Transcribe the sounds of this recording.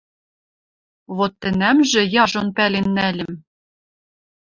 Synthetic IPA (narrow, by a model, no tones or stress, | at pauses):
βot̪ːɘ̆næmʒɘ̆jɑʒonpælenːælʲɘ̆m